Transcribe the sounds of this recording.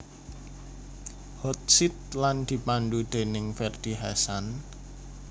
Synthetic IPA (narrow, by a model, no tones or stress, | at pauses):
hɔt̪̚sit̪̚land̪̥i̤panɖud̪̥e̤nɪŋfɛrd̪̥i̤ɦasan